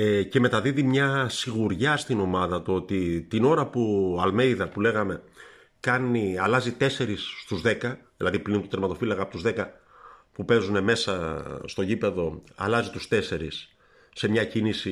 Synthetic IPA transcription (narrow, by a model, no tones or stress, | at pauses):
ece̞me̞t̪ɐðiðimɲɐsiɣuɾʝɐst̪ino̞mɐðɐt̪oo̞t̪it̪ino̞ɾɐpuɐlme̞jðɐpule̞ɣɐme̞ | kɐniɐlɐzit̪e̞se̞ɾisːt̪uzðe̞kɐðilɐðipɾint̪ut̪eɾmɐt̪o̞filɐkɐpo̞t̪uzðe̞kɐ | pupe̞zune̞me̞sɐst̪o̞ʝipe̞ðo̞ɐ̰lɐzit̪u̥st̪e̞se̞ɾisː | e̞mɲɐcinisi